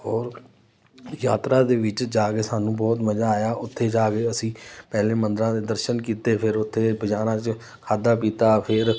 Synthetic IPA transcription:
ɔːɾ | jaːt̪ɾaːd̪eːʋɪt͡ʃd͡ʒaːkeːsaːnũːbɔːt̪məd͡ʒaːjaːʊt̪ʰːeːd͡ʒaːkeːəsĩːpɛːlẽːmənd̪əɾãːd̪eːd̪əɾʃənkiːt̪eːpʰɪɾʊt̪ʰːeːbʱəd͡ʒaːnãːt͡ʃ | kʰaːd̪aːpiːt̪aːpʰɪɾ

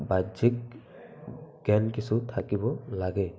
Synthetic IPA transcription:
bazik̚ | ɡ̥ɛnkisutʰakibɔlaɡɛ

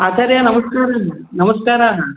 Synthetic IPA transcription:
ɐt̪ʰɐɾjɐnɐmɐskaːɾaːɦɐ | nɐmɐskaːɾaːɦɐ

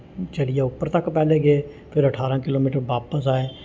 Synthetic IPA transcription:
t͡ʃəlɪjaʊpːəɾt̪əkpɛːleːɡeeː | pʰɪɾəʈʰaːɾãːkɪloːmiːʈəɾʋaːpəsaːeː

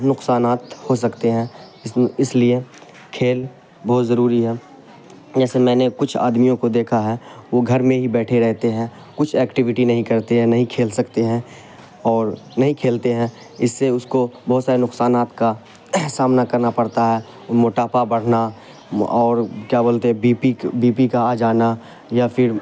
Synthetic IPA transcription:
nʊqsaːnaːt̪hos̬ɐkt̪eɦɛ̃ː | ɪɪslie | kʰeːl | bɔɦt̪zɐɾuːɾiɦɛː | d͡ʒɛːsemɛ̃ːnekʊt͡ʃʰa̰ːd̪mijõkod̪eːkʰaɦɛːʋoɡʱɐɾmẽɦibɛːʈʰeɾɛɦt̪eɦɛ̃ː | kʊt͡ʃʰɛːkʈɪʋɪʈinɐɦĩkɐɾt̪eɦɛ̃nɐɦĩkʰeːlsɐkt̪eɦɛ̃ː | ɔːɾnɐɦĩkʰeːlt̪eɦɛ̃ | ɪsːeʊskobɔɦʊt̪saːɾenʊksaːnaːt̪ka | saːmnakɐɾnapɐɾt̪aɦɛː | moːʈaːpabɐɽ̤na | ɔːɾkjaːboːlt̪eɛbiːpibiːpikad͡ʒaːna | jafʰɪɾ

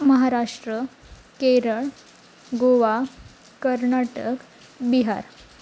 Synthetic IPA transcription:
məɦaɾaʂʈɾə | keɾəɭ | ɡoʋa | kəɾnaʈək | biɦa̰ɾ

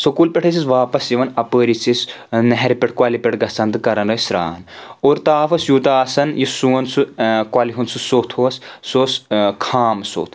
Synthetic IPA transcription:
sɐkuːlpʲeʈʰɐt͡sisʋaːpɐsjiʋɐnɐpəːɾit͡sis | nɐɦɾipʲeʈʰkwaːlipʲeʈɡɐsɐnd̪ɨkɐɾɐnɐsɾa̰ːnoːɾt̪aːfɐsjut̪aːsɐnjisuːɐnsukwaːliɦunsusoːt̪ʰoɐssoːskʰaːmso̰ːt̪ʰ

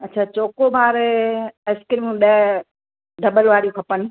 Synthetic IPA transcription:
ɐtːt͡ɕʰaːt͡ɕoːkobaːɾeskɪɾimũɗɐ | ɖ̪ʱɐbəlʋaːɽijũkʰɐpənɪ̆

